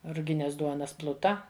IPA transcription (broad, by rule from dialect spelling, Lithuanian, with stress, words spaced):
rʊˈɡʲɪnʲɛs ˈduɔnɐs ˈplˠʊtɐ